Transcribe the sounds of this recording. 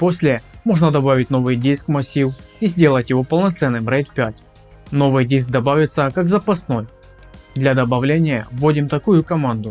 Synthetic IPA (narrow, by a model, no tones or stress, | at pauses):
po̞sʲlʲɪmo̞ʐnəd̪ɐbavʲɪtʲno̞vɨjdʲijskmɐsʲiwizʲdʲe̞lˠətʲjɪvo̞pəlˠnɐt̪sɛnːɨmɾɛjt̪̚pʲætʲ | no̞vɨjdʲijsk̚d̪ɐbavʲɪt̪səkakzɐpɐsno̞j | d̪lʲɐd̪ɐbɐvlʲenʲɪjəvːodʲɪmt̪ɐkujʊkɐmand̪ʊ